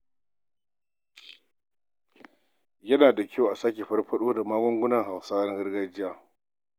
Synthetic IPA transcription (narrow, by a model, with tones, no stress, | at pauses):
jɐ˦naː˨da˨kʰʲa˦wʔa˨saː˦k̬ʲe˨ɸɐ˦rɸɐ˦ɗoː˦da˨maː˦ɡʷɔ˦ŋɡʷʊ˦nɐ˨ŋɦa˨wsaː˦na˦ɡɐ˦ɾɡa˦d͡ʒɪ˦jaː˦